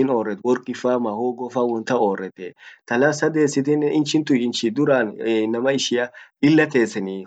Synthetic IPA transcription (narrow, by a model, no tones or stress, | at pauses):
ɪnoːrːɛt̪wɔɾkʼːɪfaːmahoːɡɔfaːwɔnt̪ɐoːrːɛt̪ɛt̪ɐlasɐd̪e̞ːsːɪt̪ɛnːɛʔɪnt͡ʃɪnt̪ʊɪnt͡ʃɪd̪ʊɾaːnnɐmɐɪʃɪjɐɪlːɐt̪e̞ːsːɛni